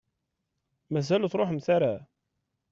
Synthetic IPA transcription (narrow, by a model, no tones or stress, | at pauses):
mæzælθɾˤoħmθaɾa